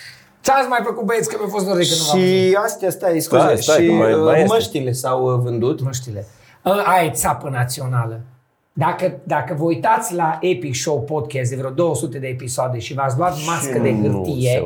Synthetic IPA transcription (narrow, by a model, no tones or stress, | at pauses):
t̪sat̪sʲmajfəkut̪̚bet̪skəmafost̪d̪oɾd̪ikənuvaʃiast̪jast̪aiskueʃiməʃt̪ilesawvɨnd̪ut̪məʃt̪ile | əajt̪sapənat̪sio̞nalə | d̪akəd̪akəvəujt̪at̪sʲlaʔepikʃowpod̪kʲɛs̬t̪d̪evɾeod̪o̞wəsut̪e̞d̪e̞ːpisoad̪eʃivat̪s̬ʲluat̪maskəd̪ehɨrt̪ije